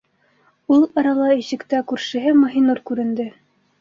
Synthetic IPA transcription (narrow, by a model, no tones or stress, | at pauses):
ulˠɑɾɑlˠɑiɕɘ̆kt̪ækʉɾʃɘ̆ɦɘmɑ̆ɦinuɾkʉɾɘ̆nd̪ɘ